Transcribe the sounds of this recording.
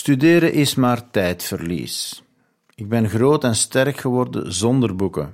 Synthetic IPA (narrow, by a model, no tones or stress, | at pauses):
stydeːɾəʔɪsmaːrtɛjtfərlḭːs | ɪɡ̚bɛnɣroːtɛnstɛrkxəʋɔrdə̰zɔndərbukə̰